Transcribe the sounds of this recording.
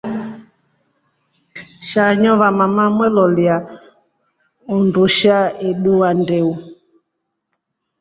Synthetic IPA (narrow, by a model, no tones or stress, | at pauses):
ʃaɲɔβamamamwɛlɔlja | ɔnduʃaiɗuandɛu